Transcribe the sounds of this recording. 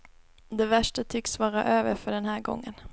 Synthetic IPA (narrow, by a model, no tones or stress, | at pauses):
d̪ɛvæʂʈət̪ʰʏksvɑːɾaʔøːvəɾfœɖɛnɦæːɾɡɔ̰ŋːən